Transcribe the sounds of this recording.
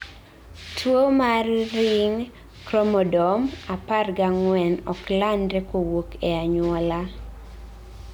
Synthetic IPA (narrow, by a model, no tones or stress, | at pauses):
tʰwomarːɪŋ | kɾɔmɔdɔmaparɡaŋwɛnɔklandɾɛkowokɛaɲwɔla